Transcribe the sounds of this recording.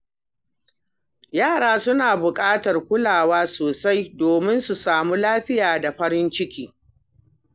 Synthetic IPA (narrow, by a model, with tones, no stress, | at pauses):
jaː˦˨ɽaː˦sʊ˦naː˨bʊ˨kʼaː˦tɐ˨rkʷʊ˦laː˨waː˦soː˨sa˦jdoː˨mɪ˦nsu˨saː˨muː˦laː˦ɸɪ˦jaː˨da˨ɸɐ˦ɾɪ˦nt͡ʃɪ˦kʲiː˦